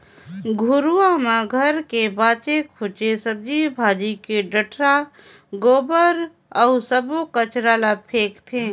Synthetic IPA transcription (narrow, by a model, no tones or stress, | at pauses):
ɡʱʊɾuamãɡʱəɾkebaːt͡ʃekʰʊt͡ʃesəb̚d͡ʒibʱaːd͡ʒikeɖəʈʰɾa | ɡoːbəɾ | ɔːsəbokət͡ʃɾaːlapʰeːkt̪ʰẽː